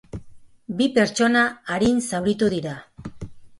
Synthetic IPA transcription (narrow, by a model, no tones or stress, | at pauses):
bipe̞ɾt͡ʃo̞naːɾinsawɾit̪uðiɾa